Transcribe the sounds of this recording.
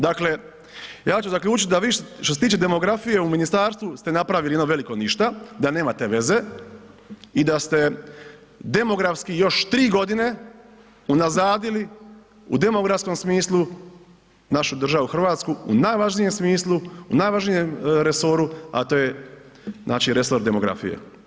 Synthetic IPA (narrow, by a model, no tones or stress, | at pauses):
d̪akle | jaːt͡ʃuzaklʎʲuːt͡ʃit̪d̪aʋiːʃʃt̪oset̪iːt͡ʃe̞d̪e̞mo̞ɡɾafije̞uminist̪aːɾst̪ʋust̪e̞napɾaʋilienoʋe̞liko̞niʃt̪ad̪ane̞ːmat̪e̞ʋe̞ze̞ | id̪ast̪e̞ | d̪e̞mo̞ɡɾafskijo̞ʃt̪ɾiːɡo̞d̪ine̞ | unazaːd̪ili | ṵd̪e̞moɡɾafsko̞msmiːslˠu | naʃud̪r̩ʒaʋuxr̩ʋaːt̪skuṵnaːjʋaʒnije̞msmiːslˠuunaːjʋaʒnijemɾe̞so̞ɾua̰t̪oːje | znʔa̰ːt͡ʃiɾe̞so̞ɾd̪e̞mo̞ɡɾa̰fḭjḛ